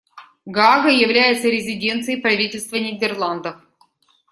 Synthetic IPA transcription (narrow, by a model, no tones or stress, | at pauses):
ɡaɡəjɪvlʲæjɪt̪səɾʲɪzʲɪdʲe̞nt̪sɨjəjpɾɐvʲitʲɪlʲst̪vənʲɪdʲɪrlˠand̪əf